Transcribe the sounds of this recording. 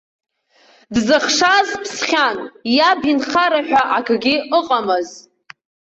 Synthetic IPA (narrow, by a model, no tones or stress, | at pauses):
dzɨχʂazpʰsχʲanjabinχaɾaħᶣaʔakʰɨɡʲɪʔəqʼamɨz